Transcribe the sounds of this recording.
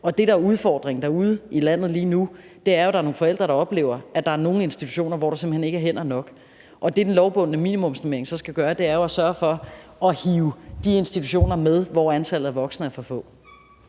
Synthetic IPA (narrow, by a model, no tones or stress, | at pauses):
ɒ̽d̥e̝ɾɑ̈æɐuð̞ˠfɒ̰ːd̥ʁeŋ̩d̥ɑ̈uð̞ˠilæn̰ð̩ˠliːnu | d̥e̝æɐjoɾɑ̈ɐno̝ːŋ̩fɒ̽el̰d̥ʁɐɾ̥ɑ̈ɒ̽b̥le̝̰ʊ̰ɐæd̥ɑ̈æɐno̝ːŋ̩e̝nsd̥it͡sʰu̥ɕo̝̰ːnɐʋɒ̰ɾ̥ɑsem̥̩hene̝ɡ̥æɐɦen̰ɐnɒ̽ɡ̥ | ʔɒ̽d̥e̝d̥enlɒʊb̥ɔ̽n̰nəmḭːnimɔ̽msneme̝ɐeŋsɒ̽sɡ̥æɡ̥ɶːɐd̥e̝æɐjo̝æsɶːɐfɒ̽ɒ̽hiːʊd̥ie̝nsd̥it͡sʰu̥ɕo̝̰ːnɐmeð̞ˠʋɒænt͡sʰæl̰ð̩ˠæɐʋɒ̽ɡ̥sn̩əæɐfɒ̽fɔ̰̽